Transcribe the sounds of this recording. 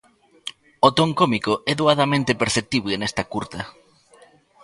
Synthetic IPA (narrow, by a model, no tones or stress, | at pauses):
ot̪oŋkomikoʔɛðuaðamẽnt̪epeɾθep̚t̪iβlenɛst̪ɐkuɾt̪ɐ